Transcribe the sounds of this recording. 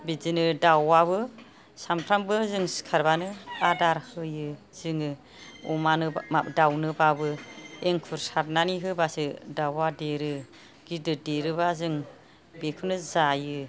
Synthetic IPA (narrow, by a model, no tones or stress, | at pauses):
bizinɯdawaβɯ | sampʰɾambɯzɯŋsi̥kʰaɾbanɯadaɾhɯjɯ | z̥ɯŋɯ | umanɯadawnɯbabɯeŋkʰuɾsaɾnaniɦɯbasɯdawadeɾɯ | ɡidɯdeɾɯβazɯŋ | bekʰɯnɯzajɯ